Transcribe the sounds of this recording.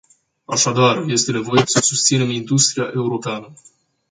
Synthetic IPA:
aʃad̪arje̞st̪e̞ne̞vo̞je̞səsust̪sine̞mind̪ust̪ɾijaʔe̞uɾo̞peanə

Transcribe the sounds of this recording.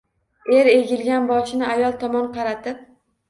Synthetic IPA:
e̞ɾe̞ɡʲɪlɡʲanbɒt͡ʃʰɪnɪajɒlˠt̪ʰɒmɒnqʰɑɾat̪ɪp̚

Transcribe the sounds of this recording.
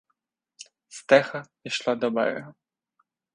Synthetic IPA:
st̪ɛxɐ | iʃlˠad̪ɔbɛ̰ɾɛ

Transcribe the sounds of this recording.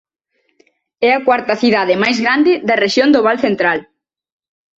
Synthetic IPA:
ɛɐkwaɾt̪ɐθiðaðɪmajzɣɾand̪ɪðɐreʃjond̪oβalθent̪ɾal

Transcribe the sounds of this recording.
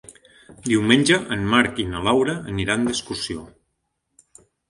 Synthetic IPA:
d̪iwmenʲd͡ʒəʔənmaɾkinəlawɾəːniɾand̪əskursio

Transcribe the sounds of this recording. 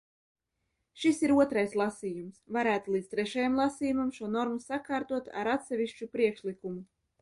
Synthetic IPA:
ʃisiɾuɔt̪ɾajslˠasiːjumsvaɾæːt̪ulˠit̪t̪ɾɛʃajamlˠasiːjumamʃuɔnɔɾmusakaːɾt̪uɔt̪a̰ɾat̪sʲɛvʲiʃt͡ʃupɾiɛkʃlikumu

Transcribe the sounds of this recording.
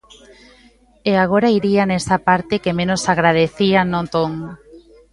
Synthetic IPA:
eaɣ̞oɾaiɾianɛsapaɾt̪ekemẽnosaɣɾaðeθianot̪oŋ

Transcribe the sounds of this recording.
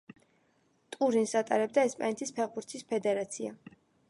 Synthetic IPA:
t̪ʼuɾinsat̪ʼaɾɛb̚d̪aɛspʼanɛt̪ʰispʰɛʁbuɾt̪sʰispʰɛd̪ɛɾat̪sʰia

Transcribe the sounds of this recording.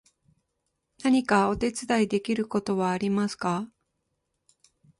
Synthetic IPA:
naɲ̟ikao̞t̪e̞t͡sɨd̪aid̪e̞kʲiɾɯ̟ko̞t̪o̞βaːɾʲimasɨ̥ka

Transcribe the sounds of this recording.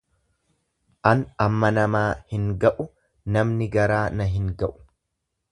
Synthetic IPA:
ʔɐnɐmːɐnɐmaːhɪŋɡɐʔʊ | nɐmnɪɡɐɾaːnɐɦɪŋɡɐʔʊ̥

